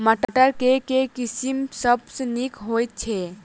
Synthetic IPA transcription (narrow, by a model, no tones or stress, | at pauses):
məʈəʈəɾkekekisimsəbsənikɦojt̪̚t͡ʃʰe